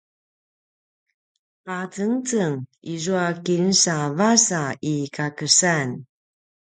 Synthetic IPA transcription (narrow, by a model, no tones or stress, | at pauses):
qat͡səŋt͡səŋizuakinsavasaikakəsan